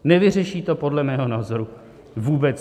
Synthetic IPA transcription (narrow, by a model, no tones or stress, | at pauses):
nɛvɪr̝ɛʃiːt̪o̞po̞dlɛmɛːɦo̞naːzo̞ɾu | vuːbɛt͡s